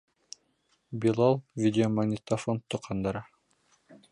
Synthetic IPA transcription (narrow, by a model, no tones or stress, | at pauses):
bʲilˠolˠvʲidʲɪomɐɡnʲɪt̪ɐfont̪ːuqʰɑnd̪ɑɾɑ